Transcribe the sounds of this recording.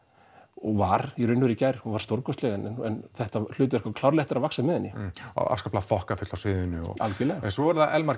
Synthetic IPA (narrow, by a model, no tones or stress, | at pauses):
ɔɣvaɾiɾʏnːvʏɾicajɾ̥hunvaɾ̥st̪owɾkɔst̪lɛːɣɛnɛnɛnθɛht̪al̥ʏːt̪ʏvɛɾhkvakʰlawɾlɛht̪ɪɾavaksaðɪmɛɪðhɛnːɪɔ̰a̰fskaplaθɔhkafʏt̪lawsvɪːðʏnʏɔ̰a̰lcɪlɛːɣaɛnsvɔvaɾθaʔɛlmaɾ̥